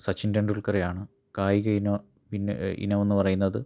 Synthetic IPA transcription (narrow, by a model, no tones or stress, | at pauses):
sɐt͡ɕːindɐɳɖuɭkɐrejaːɳɨ | kaːjiɣɐinɐ | pinːḛḭnɐʋo̞nːuɨpɐrɐjunːɐðɨ